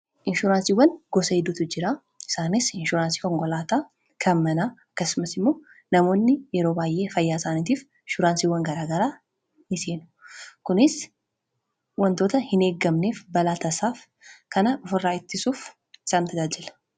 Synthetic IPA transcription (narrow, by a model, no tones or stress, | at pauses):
ʔɪnʃʊɾaːnsiːwːɐnɡɔsɐhɪd̪ːʊːt̪ʊd͡ʒɪɾaː | ɪ̥saːnɪsɪnʃʊɾaːnsi̥ːkɔŋkɔlaːt̪aː | kʰɐmːɐnaːɐkːɐsːʊmɐsɪmːo̞ː | nɐmo̞ːnːɪjɛɾoːbaːjʔe̞ːfɐjːaːɪsaːniːt̪iːf | ɪʃʊɾaːnsiːwːɐŋɡɐɾaːɡɐɾaː | nɪseːnʊ̥kʊnɪs | wɐnt̪o̞ːt̪ɐhɪne̞ːɡɐmne̞ːfbɐlaːt̪ɐsaːf | kɐnɐʊfɪrːaːɪt̪ːɪsuːf | ɪsaːnt̪ʰɐd͡ʒaːd͡ʒɪlɐ